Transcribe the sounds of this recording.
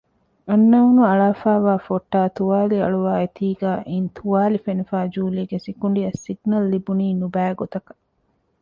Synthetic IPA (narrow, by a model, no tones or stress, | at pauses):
ɐnːɐunuɐɭaːfaːʋaːfoʈːaːt̪uʋaːliɐɭuʋaːet̪iːɡæːʔint̪ʰuʋaːlifenifaːd͡ʒuːliːɡesikuɳ̆ɖiɐsiɡnɐlːibuniːnubæːɡot̪ɐkɐ̥